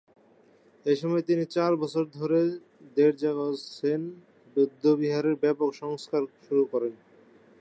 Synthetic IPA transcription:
eʃɔmɔet̪init͡ɕaɾbɔt͡ɕʰoɾd̪ʱoɾe | d̪eɾd͡ʑaɡasen | bod̪ʱːobiɦaɾeɾbɛpokʃɔŋskaɾʃuɾukɔɾen

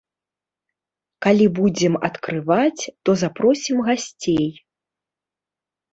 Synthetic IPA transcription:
kalʲibud͡zʲɛmɐ̰t̪kɾɨvat͡sʲt̪ɔzapɾɔsʲimɣasʲt͡sʲej

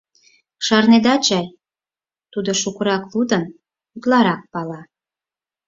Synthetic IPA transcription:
ʃɑrned̪ɑt͡ɕɑj | t̪ud̪oʃukəɾɑklud̪ən | ut̪lɑɾɑk̚pɑlɑ

